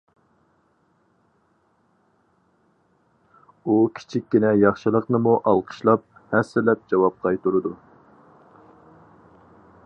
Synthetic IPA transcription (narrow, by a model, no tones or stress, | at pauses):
ukʲʰi̥t͡ʃʰikʲːinɛjɑχʃɨlˠəqnɨmuʔɑlˠqʰə̥ʃlˠɑp̚hɛsːɪlɛp̚d͡ʒɑwɑp̚qʰɑjt̪uɾɨd̪u